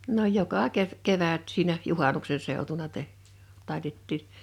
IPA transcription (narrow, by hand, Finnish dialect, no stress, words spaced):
no jokɑ keʋ keʋæt siːnæ juhɑnukse seˑu̞tunɑ teh tɑˑitetːiːn̥